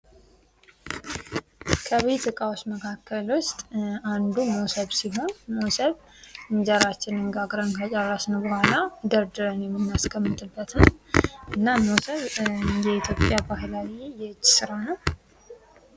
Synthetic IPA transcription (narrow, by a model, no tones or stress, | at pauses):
kʰəβet̪ɨkʼawosməkʰakːəlwʊst̪ʼand̪uməwsəβsiɦo̞nməwsəβ | ɨɲd͡ʒəɾat͡ʃːɪnɨŋɡaɡɾəŋkʰat͡ʃʼarasnəwbəhʷalad̪əɾd̪ɨɾənjɛmːɨnːaskʰəmːɨt̪ʼɨbːət̪nəwʔɨnːaməwsəβjɛit̪jo̞pʼjabaɦlawjɛt͡ʃːsɨɾawnəw